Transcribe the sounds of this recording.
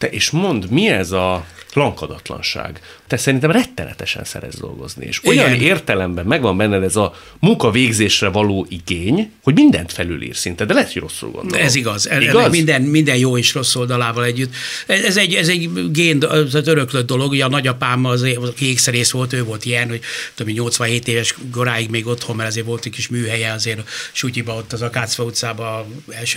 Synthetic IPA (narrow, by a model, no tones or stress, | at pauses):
t̪ɛʔeːʃmo̞nd̪miɛzɒflɒŋkɒd̪ɒt̪lɒ̰nʃa̰ːɡ | t̪ɛsɛɾint̪ɛmrɛt̪ːɛlɛ̰t̪ɛʃɛ̰nsɛ̰ɾɛ̰d̪zd̪o̞̰lɡo̞̰znḭḛːʃo̞jɒneːrt̪ɛlɛmbɛmːɛɡvɒmbɛnːɛd̪ɛɛzɒ | muŋkɒveːɡzeːʃrɛvɒloːʔiɡeːɲho̞ɟmind̪ɛnt̪fɛly̰lḭːrsint̪ɛd̪ɛlɛɛt̪hoɟro̞sːṵlɡo̰nd̪ɛziɡɒzɛiɡzmind̪ɛnmind̪ɛnjoːeːʃro̞sːo̞ld̪ɒlaːvɒlɛɟːyt̪ːɛɛzɛɟɛzɛɟɡeːnd̪t̪at̪øɾøklød̪̚ːo̞lo̞ɡuɟɒnɒɟɒpaːmɒzekeːksɛɾeːsʋo̞lt̪øːvo̞lt̪ijɛnhoɟt̪omiɲo̞lt̪sʋɒnɦeːt̪eːvɛʃɡo̞ɾaːjiɡmeːɡo̞t̪ho̞mːɛɾɒzeːɾvo̞lt̪uckiʃmyːɦɛjɛɒzeːɾʃucibɒo̞t̪ːɒzɒkaːt̪sʋɒut̪saːbɒ | ɛlʃø